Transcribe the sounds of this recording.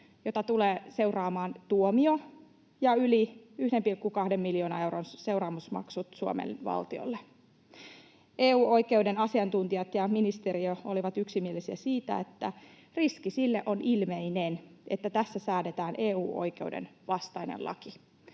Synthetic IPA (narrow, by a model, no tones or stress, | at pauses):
jot̪ɑt̪uleːse̞urɑːmɑːnt̪uomio | jɑyliyhdempilkːukɑhdemːiljoːnɑe̞wronse̞wrɑːmusmɑ̰ksut̪suo̰mḛnʋɑ̰lt̪io̰lːe | ʔeːuːoike̞udenɑsiɑnt̪unt̪ijɑt̪jɑminist̪eɾiooliʋɑt̪yksimielisiæsiːt̪æ̰et̪ːæ | riskisilːeʔonʔilmeinenet̪ːæt̪æsːæsæːdet̪æːnʔeːṵːʔo̰jke̞wdḛnʋɑst̪ɑinḛlʔɑ̰ki